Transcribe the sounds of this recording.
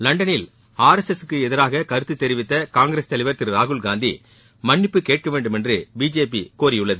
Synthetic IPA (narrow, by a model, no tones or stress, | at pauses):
lɐɳɖɐnɪl | aːɾɛsɛsɯkːɯɛðɪɾaːɣɐkɐɾɯt̪ːɯt̪ːɛɾɪʋɪt̪ːɐkaːŋɡɾeːst̪ɐlɪʋɐɾt̪ɪɾɾaːɣɯɭɡaːnd̪ḭ | mɐɳːɪpːɯkeːʈ̚kɐʋeːɳɖɯmɛndrɯbiːd͡ʒeːpikoːɾɪjɯɭːɐðɯ